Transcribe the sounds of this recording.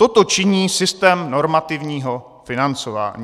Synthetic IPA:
t̪ot̪o̞t͡ʃɪɲiːsɪst̪ɛːmno̞ɾmat̪ɪvɲiːɦo | fɪnant͡sova̰ːɲi

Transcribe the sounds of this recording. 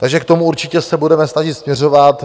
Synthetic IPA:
t̪aɡʒɛkt̪o̞muuɾt͡ʃɪcɛsɛbudɛmɛsnaʒɪt̪smɲɛro̞vat̪

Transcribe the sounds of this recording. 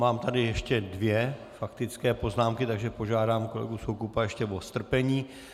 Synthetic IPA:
maːmt̪adɪjɛʃcɛdvjɛfakt̪ɪt͡skɛːpo̞znaːmkɪt̪aɡʒɛpo̞ʒaːdaːmko̞lɛ̰ɡusokupajɛʃcɛvo̞st̪r̩pɛɲiː

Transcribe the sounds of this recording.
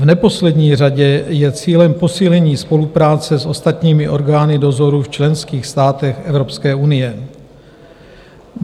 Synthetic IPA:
vnɛpo̞slɛdɲiːr̝aɟɛjɛt͡siːlɛmpo̞siːlɛɲiːspo̞lupɾaːt͡sɛsʔo̞st̪at̪ɲiːmɪʔo̞ɾɡaːnɪdo̞zo̞ɾuft͡ʃlɛnskiːxst̪aːt̪ɛxʔɛvɾo̞pskɛːʔunɪjɛ

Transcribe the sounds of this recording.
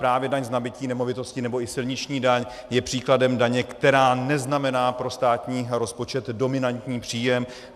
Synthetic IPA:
pɾaːvjɛdaɲznabɪciːnɛmo̞vɪt̪o̞scɪnɛbo̞ɪsɪlɲɪt͡ʃɲiːdaɲ | jɛpr̥iːkladɛmdaɲɛkt̪ɛɾaːnɛznamɛnaːpɾo̞st̪aːt̪ɲiːɾo̞spo̞t͡ʃɛt̪do̞mɪnant̪ɲiːpr̝̥iːjɛm

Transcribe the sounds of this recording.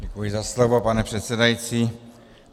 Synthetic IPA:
ɟɛkujɪzaslovo̞panɛr̥ɛt̪sɛdajit͡siː

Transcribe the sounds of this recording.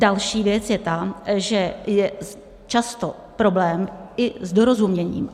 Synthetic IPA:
dalʃiːvjɛt͡sjɛt̪aʒɛjɛ | t͡ʃast̪o | pɾo̞blɛːmɪzdo̞ɾozumɲɛɲḭːm

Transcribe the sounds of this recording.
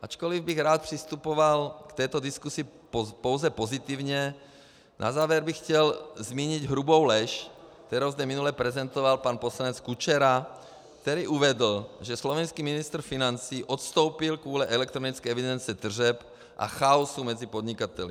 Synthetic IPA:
ʔat͡ʃkɔlivbiɣɾaːt̪̚pr̥ist̪upɔʋalkt̪ɛːt̪ɔd̪iskusiː | pɔʊzɛpɔzit̪iːʊɲɛ | nʔa̰zaːʋɛɾbixcɛlzmiːɲiɟɦɾubɔʊlɛʃkt̪ɛɾowzd̪ɛminulɛpɾɛzɛnt̪ɔʋalpaːnpɔslaɲɛt͡skut͡ʃɛɾa | kt̪ɛɾiːʔuʋɛd̪l̩ʒɛslɔʋɛnskiːminist̪r̩finant͡siːʔɔt̪st̪ɔʊpilkʋɔlɛʔɛlɛkt̪ɾɔnit͡skɛːɛʋid̪ɛnt͡siɛt̪r̩ʒɛp | ʔa̰xaɔsumɛd͡zipɔd̪ɲikat̪ɛl

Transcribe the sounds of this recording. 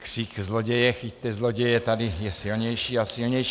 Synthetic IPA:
kr̥iːkzlɔɟɛjɛxit̪ːɛzlɔɟɛjɛt̪ad̪ijɛsilɲɛjʃiːasilɲɛjʃ

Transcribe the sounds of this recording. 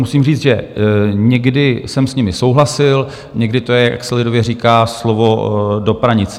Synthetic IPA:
musiːmriːt͡s̪ʒɛɲɛɡdɪsɛmsɲɪmɪsowɦlasɪl | ɲɛɡdɪt̪ojɛjja̰ksɛlɪdovjɛriːkaːslovo̞do̞pɾaɲɪt͡sɛ

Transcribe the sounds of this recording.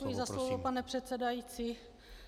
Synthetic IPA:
ujɪzaslovopanɛpr̝̥ɛt̪t͡sɛdajiːt͡siː

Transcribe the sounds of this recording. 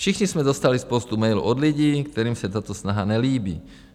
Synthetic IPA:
ʃixɲismɛd̪ɔst̪alispɔst̪umɛjlṵʔɔd̪luɟiːkt̪ɛɾiːmsat̪aːt̪ɔsnaɦaɲɛliːbḭː

